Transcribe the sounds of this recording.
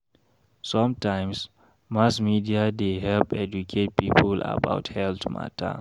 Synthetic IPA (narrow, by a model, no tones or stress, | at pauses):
sɔ̃mtãjms | masmidiadeɦɛlpɛd͡ʒukʰet̚pipʰəla̰ba̰ʊthɛltma̰tʰa̰